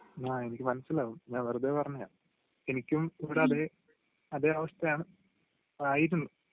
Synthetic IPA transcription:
naːenikʲːɨmɐnɐsːilːaːɣumɲaːnʋɐrud̪eːpɐrɐɲːɐja̰ː | e̞nikʲːumiʋiɽeɐðeː | ɐðe̞ːɐʋɐʂt̪ɐjaːɳɨ | aːjit̬ːuɳɖɨ

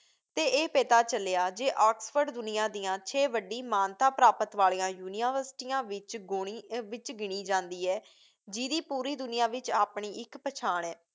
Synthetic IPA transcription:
t̪eːʔeːpeːt̪aːt͡ʃəleːaːd͡ʒeːʔaːksfʰəɾɖd̪ʊnɪjãːd̪ɪjãːt͡ʃʰeːʋəɖːiːmaːnt̪aːpɾaːpət̪ʋaːliːãːjuːnɪaʋəɾsʈiːjãːʋɪt͡ʃɡoːɽiːʋɪt͡ʃɡɪɳiːd͡ʒãːnd̪iːɛː | d͡ʒiːd̪iːpuːɾiːd̪ʊnɪjaːʋɪt͡ʃaːpɳiːɪkpət͡ʃʰaːɳɛː

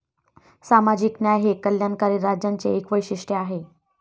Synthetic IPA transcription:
samad͡ʑiːknjajɦekəljankaɾiːɾad͡ʑjant͡sḛekʋəjɕiʂʈeaɦe

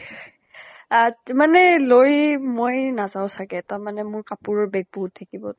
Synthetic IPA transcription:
amanɛlojmojnazaʊ̃sakɛtaɹmanɛmʊɹkapʊɹɔɹbɛɡ̚bɔɦutʰːakibɔ

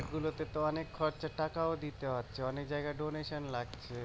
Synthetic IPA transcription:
kɡulot̪et̪oɔnekkʰɔɾt͡ɕaʈakaod̪it̪eɦatːɕʰeɔnekd͡ʑaeɡaɖoneʃonlaɡ̚t͡ɕʰe

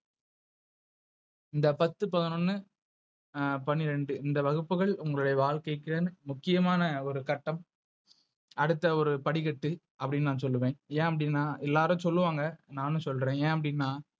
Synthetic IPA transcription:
ɪnd̪ɐpɐt̪ːɯpɐðɐnɔnːɯ | pɐnɪɾɛɳɖɯɪnd̪ɐʋɐɣɯpːɯɣɐɭʊŋɡɐɭɯɽɐɪʋaːɭkɐɪkːɯɾɐnɯmʊkːɪjɐmaːnɐɔɾɯkɐʈːɐm | ɐɽɯt̪ːɐɔɾɯpɐɽɪɣɐʈːɯ | ɐpːɐɽɪnːnãːnsɔlːɯʋẽːnẽːɐpːɐɽɪnːaːʔɛlːaːɾɯ̃sɔlːɯʋaːŋɡɐnaːnɯ̃sɔlɾẽːẽːɐpːɐɽɪnːaː

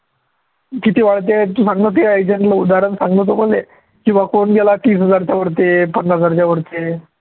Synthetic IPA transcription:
kit̪iːʋaɭt̪̬et̪ũsãŋɡnət̪eajd͡ʑəɳʈləud̪aɾənsaŋɡnət̪oməle | kĩw̃ʋakonɡelat̪iːs̬ɦəd͡zaɾt͡ɕaʋəɾt̪̬epənːɦəd͡zaɾt͡ɕaʋəɾt̪e

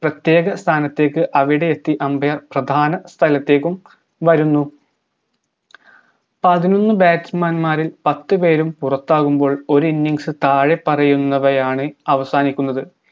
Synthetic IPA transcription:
prɐt̪je̞ːɣɐst̪ʰaːnɐt̪ːe̞ːkːɨʔɐʋiɽe̞et̪ːiʔɐmbʱɐjɐrprɐd̪ʱaːnɐst̪ʰɐlɐt̪ːe̞ːkːum | ʋɐɾunːu | pɐðino̞nːɨbaːtsmaːnmaːɾilpɐt̪ːɨpe̞ːɾumpurɐt̪ːaːɣumbo̞ːɭo̞ɾuinːiŋsɨt̪aːɻe̞pːɐrɐjunːɐʋɐjaːɳɨɐʋɐsaːnikʲːunːɐðɨ

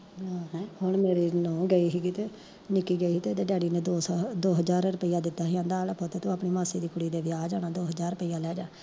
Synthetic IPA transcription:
aɦɛhʊɳmeːɾiːnɔ̃ːɡəiːɦiːɡiːt̪eː | nɪkːiːɡəiːt̪eːd͡ʒ̪eːɖɛːɽiːnẽːd̪oːd̪oːɦəzaːɾɾʊpəɪiːãːd̪ɪt̪ːaːiãːnd̪aːlpoːt̪eːt̪ũːaːpɳiːmaːseːd̪iːkʊɽiːd̪eːʋɪaːd͡ʒaːnaːd̪oːɦəzaːɾəpəiːjãːlɛːd͡ʒãː

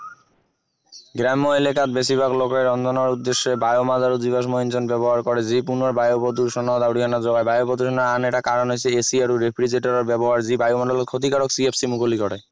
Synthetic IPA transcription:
ɡɾɛmːoelekat̪beʃibʱaklokeɾɔnd̪ʱonaɾud̪ːeʃːebajomadaɾod͡ʑibaʃ̬moɦint͡ɕonbɛboɦaɾkɔɾed͡ʑipunaɾbajopod̪uʃɔnad̪awʈikʰanaɾd͡ʑɔɡajbajobod̪uʃɔnaaneʈakaɾonɦojt͡ɕʰeesiaɾuɾepʰɾid͡ʑeʈoɾeɾbɛboɦaɾd͡ʑibajomad̪alot̪̚kʰot̪ikaɾoksiepsimukʰolikɔɽe

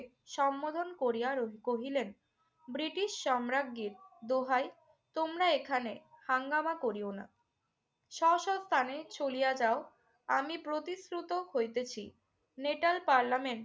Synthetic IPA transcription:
ʃɔmːod̪ʱonkoɾijaɾokoɦilen | bɾiʈiʃːɔmɾaɡːiɾd̪oɦaj | t̪omɾaekʰanehaŋɡamakoɾiona̰ | ʃɔʃɔbst̪ʰanet͡ɕolijad͡ʑao | amipɾot̪iskɾut̪ohojt̪et͡ɕʰḭ | neʈalpaɾlameɳʈ

